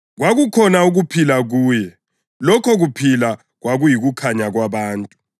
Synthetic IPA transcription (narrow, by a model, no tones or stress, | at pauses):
ɣwaɣukʰɔnauɣupʰilaɣuːjɛ | lɔkʰɔɣupʰila | ɣwaɣujiɣukʰaɲaɣwaβaːntʼu